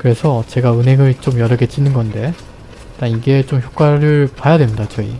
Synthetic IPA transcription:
kɯɾe̞sʰʌt͡ɕe̞ɡaɯnɦe̞ŋɯɭt͡ɕ͈omjʌɾʌɡet͡ɕ͈inɯnɡʌnde̞ | t͈aniɡe̞t͡ɕomçjok͈waɾɯɭpwajadwe̞mɲidat͡ɕʌḭ

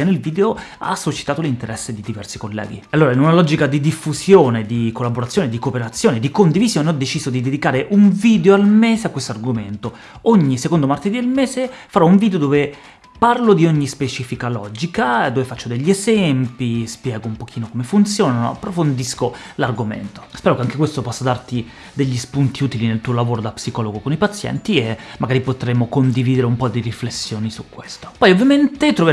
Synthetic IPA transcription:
anelviːd̪eoa̰sut͡ʃi̥t̪aːt̪olint̪eɾɛsːed̪id̪ivɛ̰rsikolːɛ̰ːɡḭalːoːɾainunalɔd͡ʒikad̪id̪ifːuzjoːned̪ikolːaboɾat̪sjoːned̪ikopeɾat̪sːjoːned̪ikond̪ivizjoːneɔd̪ːet͡ʃiːzod̪id̪ed̪ikaːɾeʔuɱviːd̪eoalmeːzeakːwest̪oarɡoment̪o | oɲːisekond̪omart̪ed̪id̪elmɛːzefaɾɔuɱvid̪eod̪oːve | parlod̪ioɲːispet͡ʃiːfikalɔd͡ʒikad̪oːvefat͡ʃːod̪eʎːiezɛmpispjɛːɡoumpokʰiːnokomefunt̪sjoːnano̰a̰pːɾofond̪iskolarɡomḛnt̪o̥spɛːɾokeaŋkekwest̪opɔsːad̪art̪i | d̪eʎːispunt̪iuːt̪ilinelt̪uːolavoːɾod̪apsikɔːloɡokonipat̪sːjɛ̰nt̪iemːaɡaːɾipot̪ɾemokond̪iviːd̪eɾeumpɔd̪iriflesːjoːnisukːwest̪o̥pɔjovːjament̪et̪ɾove

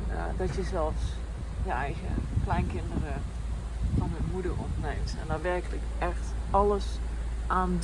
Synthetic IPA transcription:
dɔtjəzɛlˠfs | jəɛjɣə̰klɛjnkɪndərə | fɔnəmudərɔ̰ntneːmtɛ̰ndɔtʋɛrkələk | ɛxtɔlˠəs | ʔaːnd

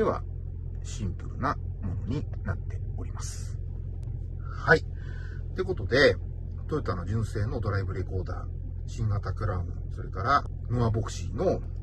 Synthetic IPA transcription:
eβa̰ | ɕĩmpɯ̟ɾɯ̟̰na | mo̞no̞ɲ̟i | nat̪ːe̞o̞ɾʲimasɨ̥ | hai | t̪ːe̞ko̞t̪o̞d̪e̞ | t̪oit̪ːano̞d͡ʑɨ̃ɰ̃se̞ːno̞d̪o̞ɾaibɯ̟ɾe̞ko̞ːd̪a̰ː | ɕĩŋɡat̪akɯ̟ɾaɯ̃ | so̞ɾe̞kaɾa | mɯ̟abo̞kɯ̟̥ɕino̞

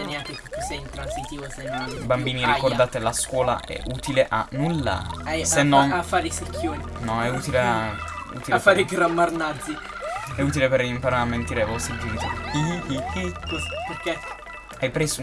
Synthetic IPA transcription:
njaŋkeput̪ːusɛjint̪ɾansit̪iːvosenːonbambiːniɾikord̪aːt̪elaskwɔːla̰ʔɛ̰ʔuːt̪ileʔanːulːa̰ajsenːɔnafːaːɾisikʰːjoːɾinɔɛut̪ilea | ṵːt̪ilaefːaːɾiɡɾamːarnad̪zi | ɛuːt̪ilepeɾimpaɾaɾamːent̪iːɾevɔst̪ɾid͡ʒɛnit̪iiiikosperke | ajpɾeːsu

